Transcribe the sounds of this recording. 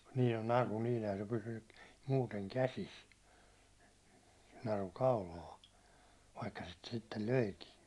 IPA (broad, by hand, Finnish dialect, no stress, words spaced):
niː no nɑru niːn̞ ehæn se pysynːy muːteŋ kæsis nɑru kɑulɑː ʋɑikːɑ sit sitːel løikiːn